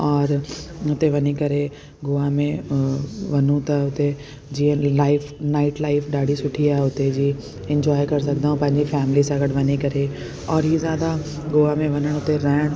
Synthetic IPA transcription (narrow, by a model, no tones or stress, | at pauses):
ɔːɾʊt̪eʋɐnikɐɾe | ɡʊamẽ | ʋɐnũt̪ɐʊt̪e | d͡ʑiːə̃laːɪfnaːɪʈlaːɪfʰɗaːɖʱisʊʈʰiaːɦeʊt̪ed͡ʑiː | ɪ̃ɲd͡ʑɔːjkɐɾs̬ɐɡnaːɦũpɐ̃ɦɪ̃ɲd͡ʑifɛːmɪlisãɡɐʈʋɐɲikɐɾe | ɔːɾɦizjaːd̪a | ɡoːamẽʋɐnəɽ̃ʊt̪eɾɐːɪɽ̃